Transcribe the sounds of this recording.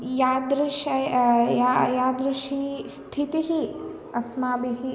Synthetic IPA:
jaːd̪ɾuʃɐjajaːd̪ɾuʃist̪ʰit̪iɦi | ɐsmaːbiɦi

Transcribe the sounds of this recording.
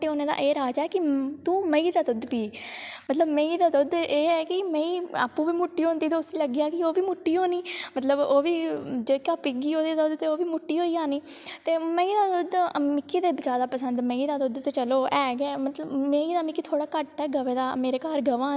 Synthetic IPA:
ʈeːoːnẽːd̪a̰ːʔeːɾaːd͡ʒɛːkɪt̪ũːməiːd̪aːd̪ʊd̪piːmət̪ləbmẽːĩːd̪aːd̪ʊd̪eːɛːkɪmɛ̃ĩːa̰ːpːũːʋiːmʊʈːiːɦõːnd̪iːt̪oʊsiːləɡiːaːkɪoːʋiːmʊʈːiːɦoːniːmət̪ləboːʋiːd͡ʒeːkaːpɪɡiːoːd̪eːt̪ʊd̪t̪eːoːʋiːmʊʈːiːɦoːiːaːniːt̪eːməĩːd̪aːd̪ʊd̪mɪkːiːd̪eːbət͡ʃaːd̪aːpəsənd̪mə̃ĩːd̪aːd̪ʊd̪t̪eːt͡ʃəloːʔɛːɡɛːmət̪ləbmẽiːd̪aːmɪkːiːt̪ʰoːɽaːkəʈɛːɡəʋeːd̪aːmeːɾeːkaːɾɡəʋãː

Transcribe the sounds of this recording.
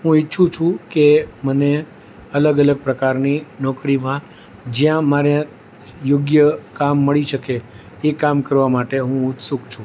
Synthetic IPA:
ɦũiːʃʰũt͡ʃʰũkeməne | ələɡələɡ̚pɾəkaɾninɔkɾimã | d͡ʒjãmaɾe | joɡjəkamːəɭiʃəke | ekamkəɾʋamaʈeɦũʊt̪sukt͡ʃʰũ

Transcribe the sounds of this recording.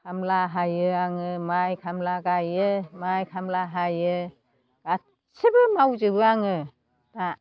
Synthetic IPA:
kʰamlaɦajɯaŋɯmajkʰamlaɡajɯmajkʰamlaɦajɯ | ɡ̥a | sebɯmawzɯbɯaŋɯ | d̥a

